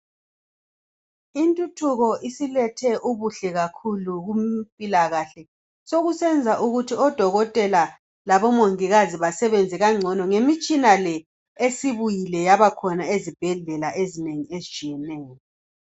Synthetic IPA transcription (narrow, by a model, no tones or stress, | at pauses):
intʼutʰuɣɔʔisilɛtʰɛʔuβuɬɛɣakʰuluɣumpʼilaɣaɬɛ | soɣusɛnd͡zʱaʔuɣutʰiɔd̥ʱɔɣɔtʼɛla | laβɔmoŋiɣaziβasɛβend͡zʱɛɣaŋ͡ǀʱɔnɔŋemit͡ʃʼinalɛ | esiβujilɛjaβakʰɔnaezib̥ʱɛɮɛlaʔezineŋiezit͡ʃʼijɛnɛːjɔ